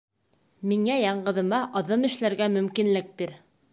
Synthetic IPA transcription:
miŋæjɑɴɢɤ̆ðɤ̆mɑʔɑðɤmɘ̆ʃlæɾɡæmɵ̆mkinlɘk̚biɾ

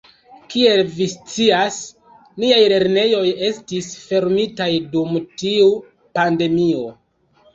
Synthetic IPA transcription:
kie̞lvist͡sias | niajle̞ɾne̞jo̞je̞stisfe̞ɾmitajdumtiu | pande̞mio̞

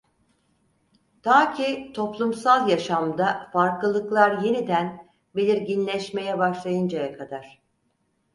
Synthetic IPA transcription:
t̪ʰaːcʰit̪ʰo̞plˠumsalˠjaʃamd̪afaɾklˠɯlˠɯklˠaɾje̞nid̪æn | be̞lʲiɾɟinlʲɛʃme̞jɛbaʃlˠajɯnd͡ʒajakʰad̪aɾ̥

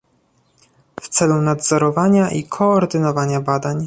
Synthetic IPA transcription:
ft̪sɛlunad̪zɔɾɔvaɲaʔikʰɔːɾd̪ɘnɔvaɲabad̪aɲ

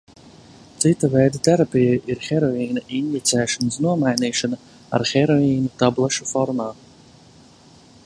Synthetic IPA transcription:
t̪sit̪avɛjd̪at̪ɛɾapʲijajʔiɾxɛɾɔiːnaʔinvʲit̪sɛːʃɔnəsnuɔmajniːʃana | a̰ɾxɛɾɔiːnut̪ablˠaʃufɔɾmaː

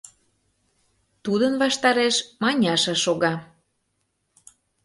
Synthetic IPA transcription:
t̪ud̪ənvɑʃt̪ɑɾeʃmɑnʲɑʃɑʃoɣɑ

